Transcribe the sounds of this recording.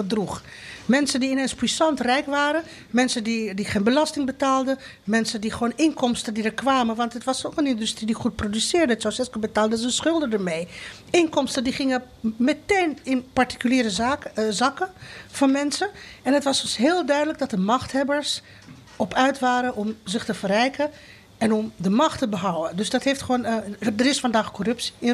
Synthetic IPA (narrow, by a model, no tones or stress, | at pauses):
ədruχ | mɛnsəndiɪnenspisɑntrɛjkʋaːɾə | mɛnsəndidiχeːnbəlɑstɪŋbətaːlˠdə | mɛnsəndiχʋoːnʔɪŋkɔmstəndidəɹkʋaːmənʋɑntɦətʋɑsokənɪndystridiχut̚prodysɪːɹdəətsowsɛskəbətaːlˠdəzənsχɵlˠdədəɹmej | ɪŋkɔmstəndiχɪŋə | mɛteːnɪnpaɹti̥kyliːɾəzazɑkəfɑnmɛnsənɛnətʋɑsɔmsɦɪːlˠdœɥdələɡ̚dɑt̚dəmɑχthɛbəɹs | ɔpœɥtʋaːɾəɔmzɪχtəfərɛjkə | ɛnɔmdəmɑxtəbəɦɔwəndøsdɑtɦeːftχoːndərɪsfɑndaːχkɔrɵpsi̥ɪ